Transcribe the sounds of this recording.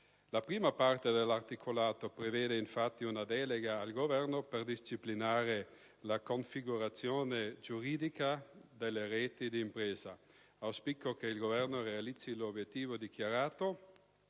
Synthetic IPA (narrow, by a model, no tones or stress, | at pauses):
lapɾiːmapart̪ed̪elːart̪ikʰolaːt̪opɾeveːd̪einfat̪ːiunad̪ɛːleɡaːlɡovɛrnoperd̪ist͡ʃiplinaːɾe | lakoɱfiɡuɾat̪sːjoːned͡ʒuɾiːd̪ikad̪elːeɾɛːt̪id̪iːmpɾeːza | awspikːokeilɡovɛrnorealit̪sːilobjet̪ːiːvod̪ikjaɾaːt̪o